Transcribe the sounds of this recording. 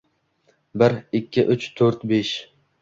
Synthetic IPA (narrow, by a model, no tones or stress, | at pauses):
bɪɾɪkʲʰːɪʔʊt͡ʃt̪ʰɵɾt̪beʃ